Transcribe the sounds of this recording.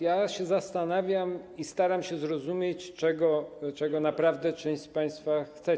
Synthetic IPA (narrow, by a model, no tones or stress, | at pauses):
jaɕɛzast̪anavʲjamist̪aɾamɕɛzɾɔzumʲjet͡ɕt͡ʂɛɡɔt͡ʂɛɡɔnapɾavd̪ɛt͡ʂɛ̃w̃ɕt͡ɕpaj̃st̪faxt̪sɛ